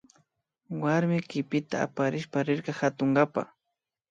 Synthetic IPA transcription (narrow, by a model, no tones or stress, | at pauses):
waɾmɪkɪpɪt̪a̰ːpaɾɪʃpaɾɪɾqɑhat̪ʊŋɡapa̰